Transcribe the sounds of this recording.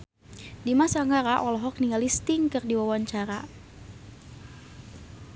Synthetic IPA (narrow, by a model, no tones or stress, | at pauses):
dimasaŋɡaɾaʔɔlɔɦɔk̚niŋɡalist̪ɪŋkɨrdiwawaɲt͡ʃaɾa